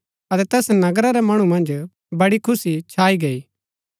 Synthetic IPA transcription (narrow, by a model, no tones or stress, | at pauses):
ɐt̪ɛt̪ɛːsnɐɡɾaɾɛmɐɽ̃umɐ̃nd͡ʒ | bɐɽikʰʊsit͡ʃʰaːiɡɐiː